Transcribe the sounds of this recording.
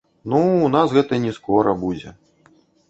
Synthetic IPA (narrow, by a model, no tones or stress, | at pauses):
nuːnasɣɛt̪ɐnʲɛskɔɾɐbud͡zʲɛ̰